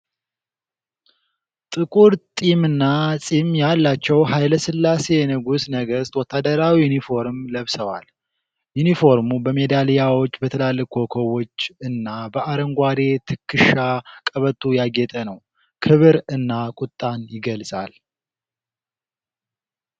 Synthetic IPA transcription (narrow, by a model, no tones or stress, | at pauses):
t̪ʼɨkʼuɾt̪ʼimɨnːasʼimjalːat͡ʃːɛwɦajləsɨlːase̞nəɡusnəɡəst̪wɔt̪ːad̪əɾawijunifo̞ɾmləβsəwa̰l | junifo̞ɾmubəme̞d̪alijawo̞t͡ʃːbət̪ʰəlalːəkʰokʰowo̞t͡ʃːɨnːabəaɾəŋɡʷad̪e̞t̪ʰɨkʰːɨʃakʼəβət̪ʰʼːujaɡɛt̪ʼənəw | kʰɨβɨɾɨnːakʼʊt̪ʼːanjɪɡəlsʼa̰l